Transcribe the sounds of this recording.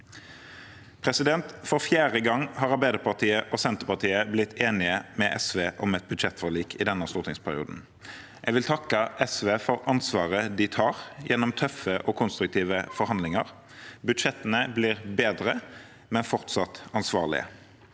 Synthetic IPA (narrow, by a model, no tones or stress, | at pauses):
pʰʁɛsɪd̪ɛnt̪fɔʁfjæːʁəɡɑŋhɑʁɑbæɪd̪əpʰɑʁt̪ʰiːəʔoːsɛnt̪əpɑʁt̪ʰiːəblɪt̪ʰːeːnɪəmɛʔɛsʋeːʔɔmɛt̪̚bʉd̪ʃɛt̪fɔʁliːkʰɪd̪ɛnːɑst̪uːʁt̪ɪŋspʰæʁɪṵːd̪n̩ | ʔɛɡʋɪlt̪ʰɑkːəʔɛsʋeːfɔʁɑnsʋɑːʁəd̪ɪt̪ʰɑːʁjɛnːɔmt̪ʰœfəʔɔkʰʊnst̪ɾʉk̚t̪ʰiːʋəfɔɾhɑnd̪lɪŋəʁ | bʉd̪ʃɛt̪ːənəbliːʁbeːd̪ʁə | mɛnfɔʁt̪sɑt̪ɑnsʋɑːʁlɪ̰ə̰